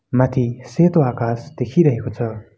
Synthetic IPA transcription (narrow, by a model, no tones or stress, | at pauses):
mat̪ʰiset̪oakasd̪̥ekʰiɾʌɦekot͡sʰʌ